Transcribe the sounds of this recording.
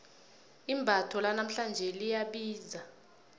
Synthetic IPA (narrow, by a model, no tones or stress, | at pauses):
imbʱatʰɔlanam̩ɬand͡ʒʱɛlijaɓiːza